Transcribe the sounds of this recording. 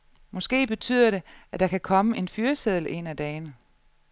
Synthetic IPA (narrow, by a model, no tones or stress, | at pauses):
mɒ̽sɡ̥e̝̰ːb̥e̝t͡sʰy̰ð̰ˠɐɾe̝æd̥ɑ̈kʰækʰɒ̽məʔe̝nfyːɐseðˠl̩ʔe̝̰næd̥ɛːɪnə